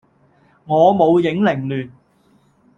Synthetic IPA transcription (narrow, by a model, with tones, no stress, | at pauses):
ŋɔː˨˧mo˨˧wjɪ˨˥ŋlɪ˨˩ŋlyː˨˩n